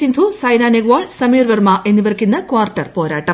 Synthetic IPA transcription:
sind̪ʱusɐjnaːneɡʋoːɭsɐmiːrʋɐrmaʔe̞nːiʋɐrɐkʲːinːɐkʋaːrʈːɐrpoːɾaːʈːɐm

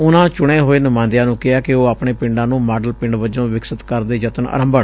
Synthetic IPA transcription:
ʊnãːt͡ʃʊɽeːɦoːeːnʊmãːnd̪ɪjãːnũːkɪaːkɪoːaːpɳeːpɪ̃ɳɖãːnũːmaːɖəlpɪ̃ɳɖʋəd͡ʒõːʋɪksət̪kəɾd̪eːd͡ʒət̪ənə̰ːɾə̃mbəɳ

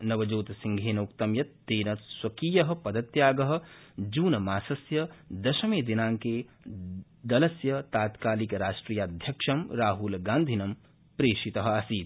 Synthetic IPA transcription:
nɐʋɐd͡ʒoːt̪siŋɡʱeːnɐukt̪ɐmjɐt̪ːeːnɐt̪swɐkiːjɐɦɐ̆pɐd̪ɐt̪jaːɡɐɦɐ̆ | d͡ʒuːnɐmaːsɐsjɐd̪ɐʃɐmeːd̪inaːŋke | d̪ɐlɐsjɐt̪aːt̪kaːlikɾaːʃʈɾiːjaːd̪ʱjɐkʃɐmɾaːɦulɡãːnd̪ʱinɐm | pɾeːʃit̪ɐɦɐsiːd̪

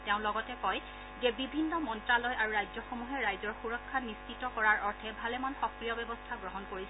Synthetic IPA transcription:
tɛʊ̃lɔɡɔtɛkɔj | zɛbibʱinːɔmɔntɹalɔjʔaɹuɹajzɔxomuɦɛɹajzɔɹxuɹɔkʰːanist͡ʃitɔkɔɹaɹʔɔɹtʰɛbʱalɛmanxɔkɹijɔbɛbɔstʰaɡɹɔɦɔnkoɹis

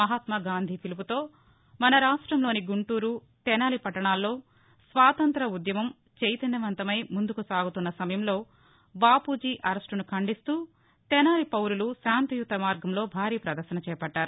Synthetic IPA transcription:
mɐɦaːt̪mɐɡaːnd̪ʱipʰilip̬ut̪o̞ː | mɐnɐɾaːʂʈɾɐmlo̞ːniɡuɳʈuːɾu | t̪ɛnaːlipɐʈːɐɳaːlːo̞ː | sʋaːt̪ɐnt̪ɾɐud̪jɐmɐm | t͡ʃejt̪ɐnːɐʋɐnt̪ɐmɐjmund̪ukusaːɡut̪unːɐsɐmɐjɐmlo̞ː | baːpuːd͡ʒiːʔɐɾɐsʈunukʰɐɳɖist̪uː | t̪ɛnaːlipɐwɾulusaːnt̪ujut̪ːɐmaːɾɡɐmlo̞ːbʱaːɾiːpɾɐd̪ɐɾʃɐnɐt͡ʃɛːɐpɐʈːaːɾu

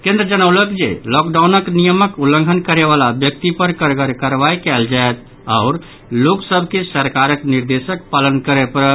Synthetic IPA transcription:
kẽnd̪ɾəd͡ʒənəʊləkd͡ʒḛlɔkɖawnəknijəməkulːə̃ŋɡʱənkəɾeβalabjək̚t̪ipəɾkəɾɡəɾkəɾʋajkɛld͡ʒaet̪̚ | aʊɾ | loksəbʱkesəɾkaɾəkniɾd̪esəkpalənkəɾɛpəɾ

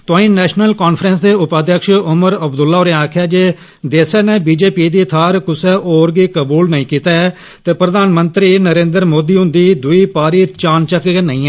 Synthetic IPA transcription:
t̪ʊãːĩːnɛːʃnəlkoːnpʰɾəns̬d̪eːʊpaːd̪jəkʃʊməɾəbd̪ʊlːaːoːɾɛ̃aːkʰjaːd͡ʒeː | d̪eːsɛːneːbiːd͡ʒeːpiːd̪iːt̪ʰaːɾkʊsɛːʔoːɾɡiːkəbuːlnəĩːkiːt̪aɛː | t̪eːpɾəd̪aːnmənt̪ɾiːnəɾẽːnd̪əɾmoːd̪iːɦʊ̃nd̪iːd̪ʊiːpaːɾiːt͡ʃaːnt͡ʃəkːnə̰ĩːɛː

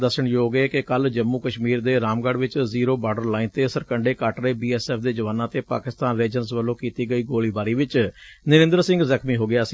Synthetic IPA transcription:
d̪əsʃəɳjoːɡeːkɪkəld͡ʒəmːuːkəʃmiːɾd̪eːɾaːmɡəɖʋɪt͡ʃziːɾoːbaːɖəɾlaːint̪eːsəɾkəɳɖeːkaːʈɾeːbiːɛːsɛːpʰd̪eːd͡ʒəʋaːnãːt̪eːpa̰ːkɪst̪aːnɾeːd͡ʒənsʋəlːõːkiːt̪iːɡəiːɡoːliːbaːɾiːʋɪt͡ʃnəɾɪ̃nd̪əɾsɪ̃ŋɡzəkʰmiːɦoːɡɪjaːsiː

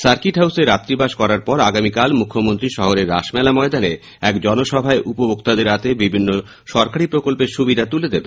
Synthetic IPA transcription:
saɾkiʈɦawseɾat̪ːɾibaʃkɔɾaɾpɔɾaɡamikalmukʰːomont̪ɾiʃɔɦoɾeɾːa̰ʃmɛlamɔed̪ane | ɛkd͡ʑɔnoʃɔbʱaeʔupobokt̪ad̪eɾat̪ebibʱinːo | ʃɔɾkaɾipɾokolpeɾʃubid̪at̪uled̪ebe

